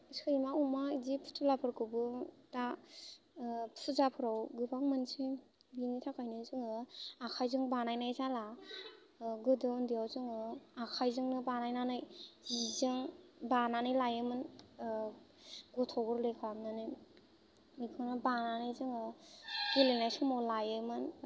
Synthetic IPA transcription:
iskʰɯjmaumaidipʰu̥tʰulapʰɯɾkʰɯbɯta | pʰsʰɯzapʰɯɾawɡɯbaŋmɯnse | binitʰakʰajnɯzɯŋɯakʰajzɯŋbanajnajzala | ɡɯdɯndijawzɯŋɯakʰajzɯŋnɯbanajnanɯjzizɯŋbananɯjlajɯmɯn | ɡɔtʰɔɡɯɾlekʰamnanɯ | ikʰɯnɯbananajzɯŋɯɡilenajsɯmawlajɯmɯn

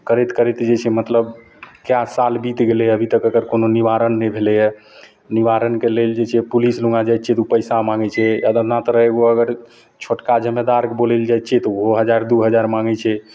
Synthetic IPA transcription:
kəɾɛt̪kəɾɛt̪d͡ʒet͡ʃʰɛmət̪ləb | kjasalbit̪ɡelɛəbʱit̪əkəkəɾkononiʋaɾənːɛbʱelɛjɛ | niʋaɾənkeleld͡ʒet͡ʃʰɛpulisluŋɡad͡ʒajt̪t͡ʃʰɛt̪upəjsamaŋɡɛt͡ʃʰɛjad̪ənat̪ɔɾəɦeɡoəɡəɾ | t͡ʃʰoʈkad͡ʒəmːed̪aɾkebolɛld͡ʒajt̪t͡ʃʰɛt̪ɔoɦəd͡ʒaɾd̪uɦəd͡ʒaɾmaŋɡɛt͡ʃʰɛ

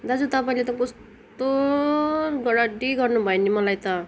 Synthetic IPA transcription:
d̪ad͡zut̪ʌpaĩlet̪ʌ̃kɔst̪ | o | ɡʌɽaɖiɡʌrnubʱʌenimʌlajt̪ʌ

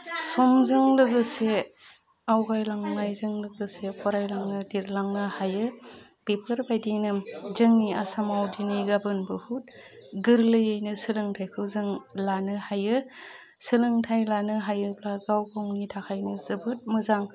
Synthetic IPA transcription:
sɔmzɯŋlɯɡɯse | awɡajlaŋnajzɯŋlɯɡɯsekʰɔɾajlaŋnɯdiɾlaŋnɯhajɯ | pepʰɯɾbajdinɯzɯŋniasamawdiniɡabɯnbɯhut̚ɡɯɾlɯjɯjnɯsɯlɯŋtʰajkʰɯwzɯŋlanɯhajɯ | sɯlɯŋtʰajlanɯɦajɯplaɡawkawnitʰakʰajnɯzɯbɯt̚mɯzaŋ

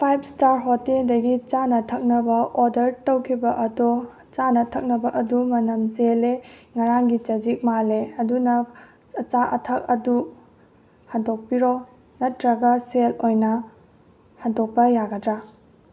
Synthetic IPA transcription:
pʰajb̚staɾɦoteldɐɡit͡ʃanɐtʰɐk̚nɐbɐʔoɾdɐɾtowkʰibɐʔɐdo | t͡ʃanɐtʰɐk̚nɐbɐʔɐdumɐnɐmzeleŋɐɾaŋɡit͡ʃɐd͡ʒik̚maleɐdunɐ | ɐt͡ʃaʔɐ̰tʰɐk̚ɐdu | hɐdok̚piɾo | nɐtɾɐɡɐselojnɐ | hadok̚pɐjaɡɐdɾa

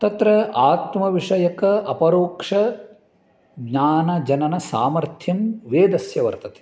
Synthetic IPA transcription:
t̪ɐt̪ɾɐaːt̪mɐʋiʂɐjɐkɐɐpɐɾoːkʂɐ | ɡɲaːnɐd͡ʒɐnɐnɐsaːmɐɾt̪ʰjɐmʋeːd̪ɐsjɐʋɐ̰ɾt̪ɐt̪e̥

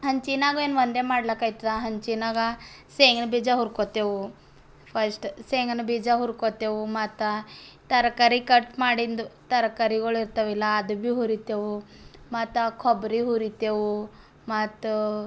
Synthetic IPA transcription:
ɦənt͡ɕinaɡenʋənd̪emaɽlakajt̪ɾaɦənt͡ɕinaɡaseŋɡnbʱid͡zaɦuɾkɔt̪eʋu | fəɾsʈseŋɡnbid͡zaɦuɾkɔt̪eʋumat̪a | t̪əɾkaɾikəʈmaɽind̪t̪əɾkaɾiɡoɭiɾt̪əʋilaːd̪biɦuɾit̪eʋu | mat̪akʰɔbɾiɦuɾit̪eʋu | mat̪

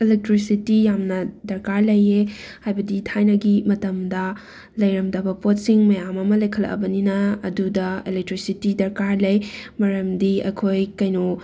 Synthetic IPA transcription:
elek̚tɾisitijamnɐdɐɾkaɾlɐje | hajbɐditʰajnɐɡimɐtɐmdɐ | lɐjɾɐmdɐbɐpot̚siŋmɐjamɐmɐlɐjkʰɐlɐ̰kbɐninɐːdudɐelek̚tɾisitidɐɾkaɾlɐjmɐɾɐmdiɐ̰kʰojkɐjno

